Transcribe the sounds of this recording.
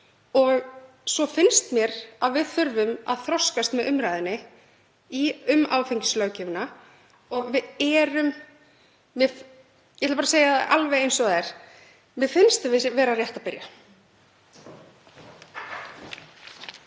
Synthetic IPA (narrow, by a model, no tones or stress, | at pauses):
ɔɣ | sɔfɪnst̪mjɛɾ̥aðvɪðθʏɾvʏma̰ðθɾɔskast̪mɛðʏmɾajðɪnːɪ | iʏmaːwfeɲcɪ̥slœːwcɪvna | ɔɣvɪðɛːɾʏm | vɪ | jɛɛt̪ːpaɾaseːjaʔalvejejnsɔɣɛɾ̥ | mɪðfɪnst̪vɪvɛːɾarjɛht̪apɪɾja